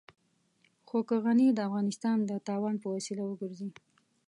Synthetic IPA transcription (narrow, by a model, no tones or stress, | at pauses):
xokəɣanid̪əafɣɑnɪst̪ɑnd̪ət̪ɑwɑnpəwasilawəɡəɾzi